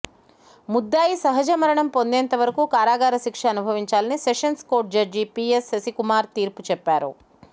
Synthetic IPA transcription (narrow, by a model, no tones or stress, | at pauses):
mud̪ːaːjisɐɦɐd͡ʒɐmɐɾɐɳɐmpo̞nd̪ɛːnt̪ɐʋɐɾɐkukaːɾaːɡaːɾɐʃikʂɐɐnubʱɐʋiɲt͡ʃaːlɐniseʂɐnskoːɾʈ̚d͡ʒɐɾd͡ʒipiːesɐsikumaːɾt̪iːɾput͡ʃɛpːaːɾṵ